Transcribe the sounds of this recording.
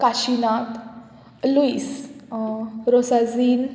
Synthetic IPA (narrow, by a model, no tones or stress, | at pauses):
kaɕinat̪ | luis | ɾosad͡ziːn